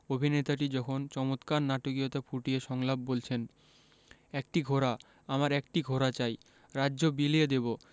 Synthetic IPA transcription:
obʱinet̪aʈid͡ʑɔkʰont͡ɕɔmot̪kaɾnaʈokiot̪apʰuʈieʃɔŋlabbolt͡ɕʰen | ɛk̚ʈiɡʱoɾa | amaɾɛk̚ʈiɡʱoɾat͡ɕaj | ɾadːʑobilied̪ebo

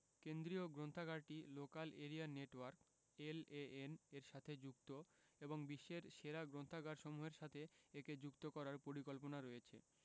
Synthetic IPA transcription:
kend̪ɾioɡɾont̪ʰaɡaɾʈilokaleɾianeʈwaɾk | eleeneɾʃat̪ʰed͡ʑukt̪o | eboŋbiʃːeɾʃeɾaɡɾont̪ʰaɡaɾʃɔmuɦeɾʃat̪ʰeeked͡ʑukt̪okɔɾaɾpoɾikolponaɾojet͡ɕʰḛ

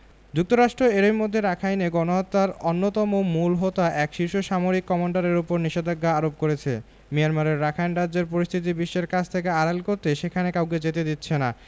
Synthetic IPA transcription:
d͡ʑuk̚t̪oɾaʃʈɾoeɾejmod̪ʱːeɾakʰajneɡɔnoɦat̪ːaɾonːot̪ɔmomulɦot̪aʔɛkʃiɾʃoʃamoɾikːɔmoɳɖaɾeɾupoɾniʃed̪ʱaɡːaaɾop̚koɾet͡ɕʰḛ | mijanmaɾeɾːakʰajnɾadd͡ʑeɾpoɾist̪ʰit̪̬ibiʃːeɾkat͡ɕʰt̪ʰekeaɾalkoɾt̪eʃekʰanekawk̬ed͡ʑet̪ed̪it̪ːɕʰena

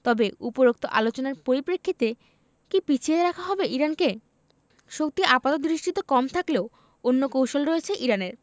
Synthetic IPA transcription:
t̪ɔbeupoɾok̚t̪oʔalot͡ɕonaɾpoɾipɾekʰːit̪e | kipit͡ɕʰieɾakʰaɦɔbeʔiɾanke | ʃok̚t̪iʔapat̪ot̪d̪ɾiʃʈit̪ekɔmt̪ʰakleo | onːokowʃolɾojet͡ɕʰeʔiɾaneɾ

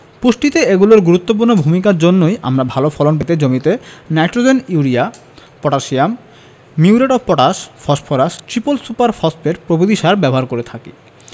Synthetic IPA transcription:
puʃʈit̪eeɡuloɾɡuɾut̪ːop̬uɾnobʱumikaɾd͡ʑonːojʔa̰mɾabʱalofʰɔlonp̬et̪ed͡ʑomit̪enajʈɾod͡ʑeniuɾia | pɔʈaʃiamː | iuɾeʈɔbpɔʈaʃfʰɔʃpʰɔɾaʃʈɾipolsupaɾfʰɔspeɾpɾobod̪iʃaɾbɛboɦaɾkoɾet̪ʰakḭ

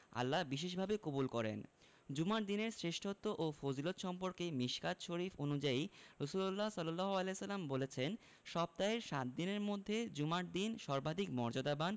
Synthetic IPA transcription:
a̰lːabiʃ̬eʃ̬bʱabekobulkɔɾḛn | d͡ʑumaʈd̪ineɾsɾeʃʈʰot̪ːoʔofod͡ʑilot̪ʃɔmpoɾkemiʃkat̪ʃoɾifonud͡ʑaiɾosulolːasɔlːalːaɦoalesalːambolet͡ɕʰen | ʃɔb̚t̪aeɾʃat̪̚d̪ineɾmod̪ʱːed͡ʑumaʈ̚d̪inʃɔɾbad̪ʱikmɔɾd͡ʑod̪aban

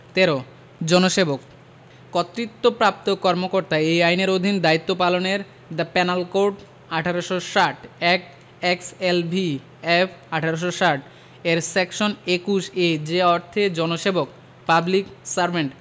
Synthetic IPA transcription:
t̪eɾo | d͡ʑɔnoʃebok | kɔt̪ːɾit̪ːopɾap̚t̪okɔɾmokoɾt̪aejajneɾod̪ʱind̪ait̪ːopaloneɾ | d̪apɛnalkoɾɖ | aʈʰaɾoʃoʃaʈʰɛk̚ | ekselbi | efaʈʰaɾoʃ̬oʃaʈ̚ʰ | eɾsɛkʃonekuʃed͡ʑeɔɾt̪ʰed͡ʑɔnoʃebok̚ | pabliksaɾbʱeɳʈ

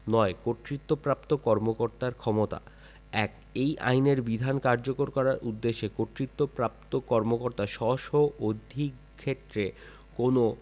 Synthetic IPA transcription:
nɔekot̪ːɾit̪ːopɾapt̪okɔɾmokoɾt̪aɾkʰɔmot̪a̰ | ɛk | ejʔa̰jneɾbid̪ʱankaɾd͡ʑokoɾkɔɾaɾʔud̪ːeʃːekoʈ̪ːɾit̪ːopɾap̚t̪okɔɾmokoɾt̪aʃɔʃoʔod̪ʱik | kʰːet̪ːɾe | kono

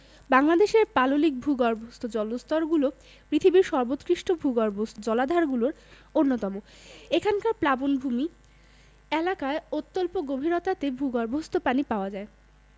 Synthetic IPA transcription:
baŋlad̪eʃeɾpalolik̚bʱuɡaɾbʱost̪ʰod͡ʑɔlost̪ɔɾɡulo | pɾit̪ʰibiɾʃɔɾbot̪kɾiʃʈobʱuɡaɾbʱosd͡ʑɔlad̪ʱaɾɡuloɾ | onːot̪ɔmo | ekʰankaɾplabonbʱumi | elakaeot̪ːolpoɡobʱiɾot̪at̪ebʱuɡaɾbʱost̪opanipaoad͡ʑae

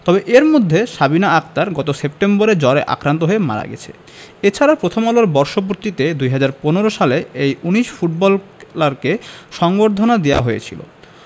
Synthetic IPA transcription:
t̪ɔbeʔeɾmod̪ʱːeʃabinaak̚t̪aɾɡɔt̪osep̚ʈemboɾed͡ʑɔɾeʔa̰kɾant̪oɦoema̰ɾa̰ɡɛ̰t͡ɕʰḛ | et͡ɕʰaɾapɾot̪ʰomaloɾbɔɾʃop̬oɾt̪it̪ed̪ujɦad͡ʑaɾponeɾoʃaleejuniʃfuʈ̚bɔllaɾkeʃɔŋboɾd̪ʱonad̪eja̰ɦojet͡ɕʰilo̰

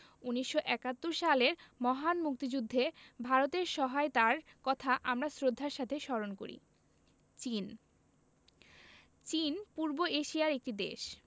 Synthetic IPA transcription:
uniʃːoʔɛkat̪ːoɾʃaleɾmɔɦanmuk̚t̪id͡ʑud̪ʱːebʱaɾot̪eɾʃɔɦaet̪aɾkɔt̪ʰaʔamɾasɾod̪ʱːaɾʃat̪ʰeʃɔɾonko̰ɾḭ | t͡ɕin | t͡ɕinpuɾboeʃijaɾek̚ʈid̪ḛʃ

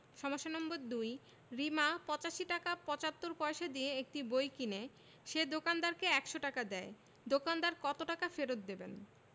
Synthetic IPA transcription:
ʃɔmoʃːonɔmboɾd̪uj | ɾimapɔt͡ɕaʃiʈakapɔt͡ɕat̪ːoɾpɔeʃad̪ijeek̚ʈibojkine | ʃed̪okand̪aɾkeɛkʃoʈakad̪ɛe | d̪okand̪aɾkɔt̪oʈakafeɾot̪̚d̪eben

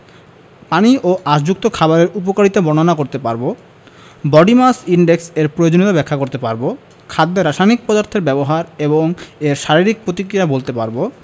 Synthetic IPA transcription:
paniʔoʔasd͡ʑuk̚t̪okʰabaɾeɾup̬okaɾit̪obɔnonakoɾt̪epaɾbo | bɔɖimasiɳɖekseɾpɾojod͡ʑonit̪abɛkʰːakoɾt̪epaɾbo | kʰad̪ːeɾaʃajnik̚pɔd̪aɾt̪ʰeɾbɛboɦaɾeboŋeɾʃaɾiɾik̚pɾot̪ikɾijabolt̪epaɾbo

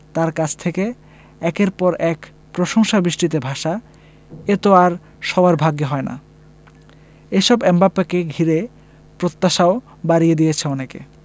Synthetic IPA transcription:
t̪aɾkat͡ɕʰt̪ʰeke | ɛkeɾpɔɾɛk | pɾoʃoŋʃabiʃʈit̪̬ebʱaʃa | et̪oaɾ | ʃɔbaɾbʱaɡjeɦɔena̰ | eʃɔbɛmbapekeɡʱiɾe | pɾot̪ːaʃao | baɾijed̪ijet͡ɕʰeɔnekḛ

